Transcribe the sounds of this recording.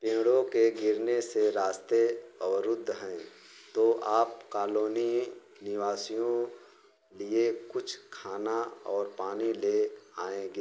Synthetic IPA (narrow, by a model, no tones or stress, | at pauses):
pẽːɽõkeɡɪɾneseɾaːst̪eəwəɾʊd̪ʱːɦɛ̃ | t̪oʔaːp̚kaːloːni | nɪʋaːsijõ | liekʊt͡ʃʰkʰaːnaɔːɾpaːnileaːẽɡeː